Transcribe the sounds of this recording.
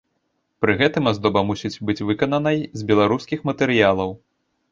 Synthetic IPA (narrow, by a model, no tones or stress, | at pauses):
pɾɨɣɛt̪ɨmazd̪ɔbɐmusʲit͡sʲbɨt͡sʲvɨkɐnɐnɐjzʲbʲɛlˠaɾuskʲixmɐt̪ɛɾɨjalˠɐw